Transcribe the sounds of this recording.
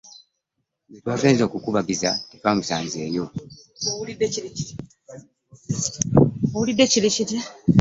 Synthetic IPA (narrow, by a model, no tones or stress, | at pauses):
netwaːfeːnzo̞ːkukuβaɡizatitwaːmusaːnzeːjo̞ | owulidːeciɾiciɾ | owulidːecilicita